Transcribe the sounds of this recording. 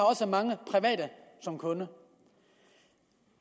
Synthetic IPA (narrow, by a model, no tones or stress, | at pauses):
ɑ̈ɒ̽səmɑ̈ŋəpʰʁiʋɛ̰ːdəsɒ̽mkʰɔ̽nə